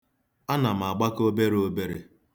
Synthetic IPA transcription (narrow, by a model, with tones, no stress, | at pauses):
a˦na˨m̩˨a˨ɡ͡ba˦ko˦be˦ɾe˦o˦be˦ɾe˨